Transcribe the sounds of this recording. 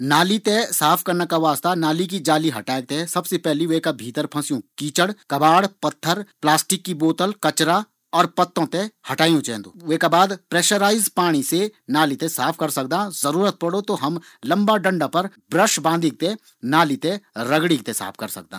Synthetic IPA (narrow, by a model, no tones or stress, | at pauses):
naːlit̪ẽsaːpʰkɐɾnakaʋaːst̪anaːlik̬id͡ʒaːliɦɐʈaːeɡ̚t̪esɐbsepɛɦliʋekabʱiːt̪əɾpʰɐ̃sjũkiːt͡ʃəɽkɐbaːɽpɐt̪ʰːəɾplaːsʈɪkːiboːt̪əlkɐt͡ʃɾa | ɔːɾpɐt̪ːõt̪ẽhɐʈaːjũt͡ʃɛ̰̃ːd̪o̰ːʋeːkabaːd̪pɾɛːʃəɾaːɪzpaːɽ̃isenaːlit̪ẽsaːpʰkɐɾsɐk̚d̪ãːzɐɾuːɾət̪̚pɐɽot̪oɦɐm | lɐ̃mbaɖɐ̃ɳɖapɐɾ | bɾəʃbãːnd̪ʱik̚t̪e | naːlit̪ẽɾɐɡɽikt̪esa̰ːpʰkɐɾsɐ̰k̚d̪ã̰ː